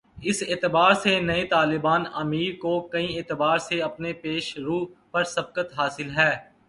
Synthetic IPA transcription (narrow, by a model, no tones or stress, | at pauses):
ɪseːt̪ɪbaːɾsenɐet̪aːlɪbaːnɐmiːɾkokɐĩeːt̪ɪbaːɾseɐpnepeːʃɾuːpɐɾsɐb̚kət̪ɦaːsɪlɦɛː